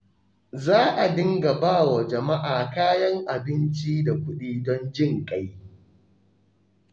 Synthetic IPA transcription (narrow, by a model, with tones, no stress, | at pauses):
zaː˦ʔa˨dɪ˦ŋɡa˨baː˦˨wa˨d͡ʒɐ˨ma˦ʔaː˨kaː˦jɐ˦ŋʔa˨bɪ˦nt͡ʃi˦da˨kʷʊ˦ɗiː˦dɔ˦nd͡ʒɪ˦˨ŋkʼa˦j